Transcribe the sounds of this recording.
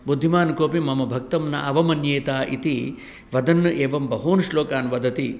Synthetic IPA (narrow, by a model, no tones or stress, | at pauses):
bud̪ʱːimaːnkoːpimɐmɐbʱɐk̚t̪ɐmnɐ̰ʔɐʋɐmɐnjeːt̪aːʔḭt̪i | ʋɐd̪ɐnːɐʔeːʋɐmbɐɦoːnʂloːkaːnʋɐd̪ʱɐt̪i